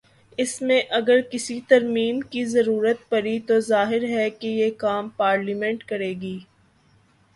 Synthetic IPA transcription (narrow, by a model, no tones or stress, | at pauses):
ɪsmẽʔɐɡəɾkɪsit̪ɐɾmiːmkizɐɾuːɾət̪̚pɐɾit̪ozaːɦɪɾɦɛkejekaːmpaːɾlimɛ̃ɳʈkɐɾeːɡiː